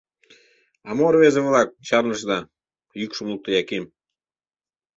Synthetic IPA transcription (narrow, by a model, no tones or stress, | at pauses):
ɑmoɾβezeβlɑk̚t͡ɕɑɾnə̆ʃd̪ɑ | jykʃə̆mlˠuk̚t̪əjɑkem